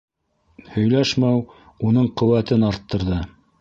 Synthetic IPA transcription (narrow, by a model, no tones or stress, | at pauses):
hɵ̆jlæʃmæw | unɤɴqɵ̆wæt̪ɘnɑɾt̪ːɤ̆ɾðɤ